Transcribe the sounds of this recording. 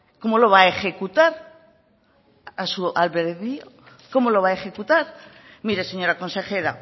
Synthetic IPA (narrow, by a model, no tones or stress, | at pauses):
ko̞mo̞lo̞β̞ae̞xe̞kut̪aɾ | asualβeɾðio | ko̞mo̞lo̞β̞ae̞xe̞kut̪aɾ | miɾe̞se̞ɲo̞ɾako̞nse̞xe̞ɾa